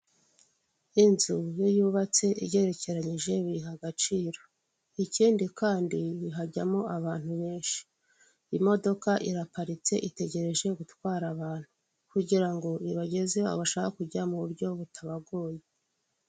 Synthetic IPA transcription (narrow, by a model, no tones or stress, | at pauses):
inzujojuːβat͡se̞ʔḭɟe̞ɾe̞ce̞ɾaɲiʒe̞βiɦaɡat͡ʃiːɾo̞ | iciːndikaːndiβiɦaɟamo̞ʔaβaːn̥uβe̞ːnʃi̥ | imo̞do̞kaʔiɾapaɾit͡se̞̰ʔite̞ɟe̞ɾe̞ʒe̞ɡutkwaːɾaβaːn̥hu | kuɟiɾaŋɡo̞iβaɟe̞zea̰βaʃaːkakuɟamuβuɾɟo̞βutʰaβaɡo̞ːje